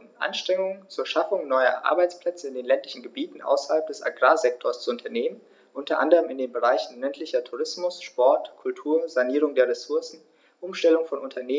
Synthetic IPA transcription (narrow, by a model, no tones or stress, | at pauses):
ʔa̰nʃtʁ̥ɛŋʊŋənt͡suːɐʃafʊŋnɔʏɐ̰ʔa̰ɐbaɪt͡spl̥ɛt͡səɪndeːnlɛntlɪçn̩ɡəbiːtn̩ʔa̰ʊsɐhalp̚d̥ɛsa̰ɡʁaːzɛk̚tʰoɐst͡suʊntʰɐneːmən | ʔʊntʰɐʔa̰ndəʁəmɪndeːnbəʁaɪçn̩lɛntʰlɪçɐtʰuʁɪsmʊsʃpɔɐtkʰʊltʰuːɐzaniːʁ̞ʊŋdeːɐʁesʊɐsn̩ | ʔʊmʃtɛlʊŋfɔnʔʊntʰɐneː